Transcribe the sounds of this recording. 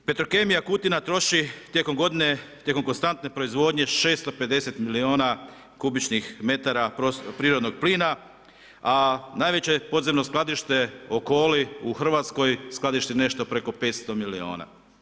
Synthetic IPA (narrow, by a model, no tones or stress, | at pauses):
pe̞t̪ɾo̞kemijakut̪inat̪ɾo̞ʃit̪jeko̞mɡo̞d̪inet̪jeko̞mko̞nst̪ant̪ne̞pɾo̞izʋo̞ːd̪ɲe̞ʃe̞ːst̪o̞pe̞d̪e̞set̪milio̞ːna | kubit͡ʃnixme̞t̪aɾapopɾiːɾo̞d̪no̞ɡpliːna | anajʋe̞t͡ɕe̞po̞d̪zemno̞sklˠad̪iʃt̪e̞o̞ko̞ːliuxr̩ʋat̪sko̞jsklad̪iʃt̪ine̞ʃt̪o̞pɾe̞ko̞pe̞ːt̪st̪o̞milio̞̰ːna̰